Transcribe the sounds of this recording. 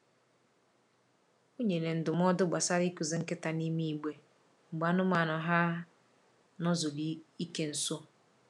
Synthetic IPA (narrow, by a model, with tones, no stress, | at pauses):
o˦ɲe˨ne˨n̩˨dʊ˨m˦ɔ˦dʊ˦ɡ͡ba˨sa˦ɾi˦ku˨zɪ˨˦ŋ̩˦kɪ˦ta˨ni˦mi˦i˨ɡ͡be˨ | ŋ͡m̩˨ɡ͡ba˨˦nʊ˦ma˨nʊ˨ɦa˦ | nɔ˦zʊ˨li˦i˦ke˦n̩˨so˦